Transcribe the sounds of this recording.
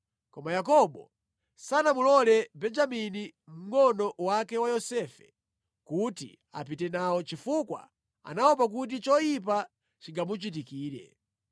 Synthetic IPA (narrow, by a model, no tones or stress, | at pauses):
kɔmajakɔbɔ̰ | sanamulɔlɛbɛnd͡ʒaminim̩ŋɔnɔwakɛwajɔsɛːfɛ | kutḭ | a̰pitɛnawɔt͡ʃifukwa̰ | a̰nawɔp̬ak̬ut̬it͡ʃɔjip̬a | t͡ʃiŋɡamut͡ʃit̬ikiːɾɛ̰